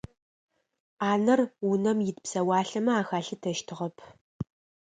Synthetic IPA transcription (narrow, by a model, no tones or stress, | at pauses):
aːnɐrunɐmjɪtpsɐwaːɬɐmɐaːxaːɬɨtʰɐʃtʰɨʁɐpʰ